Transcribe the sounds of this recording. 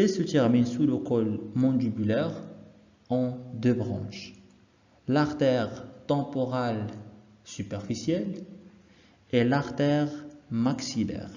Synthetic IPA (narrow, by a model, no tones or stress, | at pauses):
ɛlsət̪ɛʁminsuləkɔlmɑ̃d̪ybylɛʁ | ɑ̃d̪øbʁɑ̰̃ʃ | laʁt̪ɛʁt̪ɑ̃pɔʁal | sypɛʁfisjɛl | elaʁt̪ɛʁmaksilɛ̰ːʁ